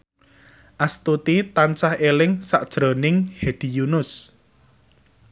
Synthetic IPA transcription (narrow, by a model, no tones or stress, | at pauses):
ʔast̪ut̪it̪ansahelɪŋsa̰ʔd̥ʒ̥ɾo̤nɪŋhed̪̥i̤junʊs